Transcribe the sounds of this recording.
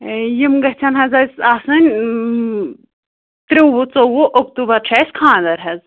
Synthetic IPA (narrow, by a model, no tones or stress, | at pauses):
jimɡɐɦt͡ʃʰɐnɦɐzɐsasɨnʲ | t̪ɾiwwut͡sowoʔokt̪ubɐɾt͡ʃʰɐːskʰãːd̪ɐɾɦɐz